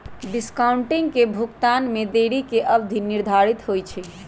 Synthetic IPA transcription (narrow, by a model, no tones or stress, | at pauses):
ɖiskaʊɳʈiŋɡkebʱukt̪anmed̪eɽikeʔəbd̪ʱiniɾd̪ʱaɾit̪ɦojt͡ʃʰi